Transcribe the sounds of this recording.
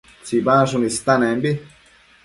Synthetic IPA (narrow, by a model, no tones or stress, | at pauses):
t͡sibaʃunist̪anɛmbi